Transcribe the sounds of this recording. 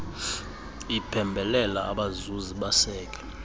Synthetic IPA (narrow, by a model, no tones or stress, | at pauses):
ipʰɛmbʱɛlɛlaːɓazuziɓasɛːk̬ʼɛ̥